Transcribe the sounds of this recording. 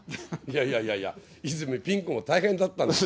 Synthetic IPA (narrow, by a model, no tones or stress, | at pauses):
jaijajaja̰ | izɨmepʲĩŋkõmat̪aihẽnd̪at̪ːãn